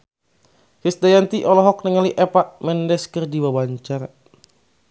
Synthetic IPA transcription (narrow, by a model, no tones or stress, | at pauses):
kist̪ajant̪iʔɔlɔɦɔk̚nəŋaliʔɛpaʔmɛndɛskərdiwawaɲt͡ʃar